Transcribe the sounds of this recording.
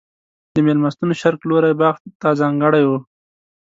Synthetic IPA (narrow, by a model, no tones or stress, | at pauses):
d̪əmelmast̪unoʃaɾkloɾajbɑxt̪t̪ːazɑŋɡəɽajwu